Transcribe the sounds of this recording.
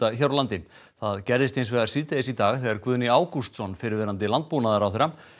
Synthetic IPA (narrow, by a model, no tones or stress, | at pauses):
açaɾalant̪ɪm | θaðcɛɾðɪst̪ejnsvɛːɣaɾsiðt̪ɛðɪsit̪aːɣθɛɣaɾkvʏðnɪaːwkust̪sɔnfɪɾɪɾvɛːɾant̪ɪlant̪̚puːnaðaɾawθɛɾam